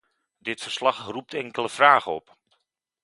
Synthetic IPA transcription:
dɪtfərslɑχrup̚tʰɛŋkələfraːχəɔp

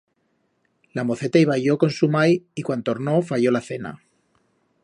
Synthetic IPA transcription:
lamo̞θe̞t̪aiβaʝo̞ko̞nsumajikwant̪o̞ɾno̞faʝo̞laθe̞na̰

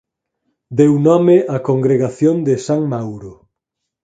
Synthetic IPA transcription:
d̪ewnɔmeʔakoŋɡɾeɣaθjond̪ɪsaŋmawɾʊ

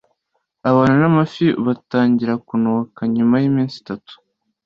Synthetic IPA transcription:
aβaːnanamafiβataːɲɟiɾakunokaɲumajimiːnsi̥tatu̥

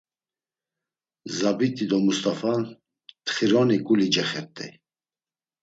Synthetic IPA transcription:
zabit̪ʼid̪ɔmust̪ʼafan | t̪χiɾɔnikʼulid͡ʒɛχɛɾt̪ʼɛ̰

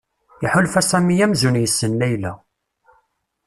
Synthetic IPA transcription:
jəħulfæsæmijæmzunjəsːənlæjlæ

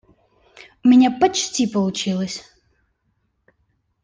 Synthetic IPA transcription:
mʲinʲɛpɐʈ͡ʂtʲʰipɐlˠut͡ʃʰilˠɐsʲ

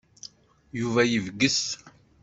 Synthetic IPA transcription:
juvæjəvɡəs

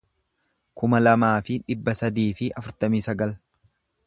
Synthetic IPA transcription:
kʊmɐlɐmaːfɪᶑɪbːɐsɐd̪iːfɪʔɐfʊɾt̪ɐmiːsɐɡɐl

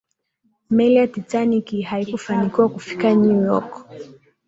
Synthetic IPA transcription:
mɛliatitanikihaikufanikiwakufi̥kaɲujɔ̰k

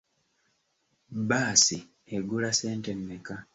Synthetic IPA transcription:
baːsi | eɡulase̞ːntemːeka

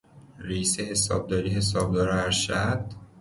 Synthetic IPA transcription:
risehesɒ̰ːb̚d̪ɒːɾihe̞sɒːb̚d̪ɒːɾæɾʃæd̪̥

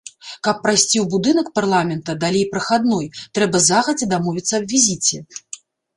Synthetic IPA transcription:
kɐpːɾajsʲt͡sʲiwbud̪ɨnɐkparlˠamʲɛnt̪ɐd̪alʲejpɾɐxad̪nɔjt̪ɾɛbɐzaɣɐd͡zʲɛd̪amɔvʲit̪sːɐɐbʲvʲizʲit͡sʲɛ

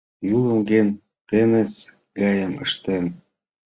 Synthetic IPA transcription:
julə̆mɡen | t̪enet͡s | ɡɑjəmə̰ʃt̪em

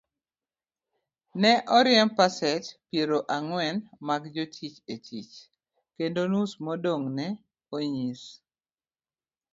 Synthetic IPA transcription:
nɛʔɔɾɪɛmpasɛt͡ʃpjeɾoʔaŋwɛnmaɡd͡ʒotʰit͡ʃetʰit͡ʃ | kendonusmodoŋnɛ | oɲis

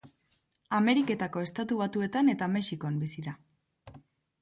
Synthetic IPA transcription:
ame̞ɾike̞t̪ako̞e̞st̪at̪uβ̞at̪ue̞t̪ane̞t̪ame̞ʃikoambisiða

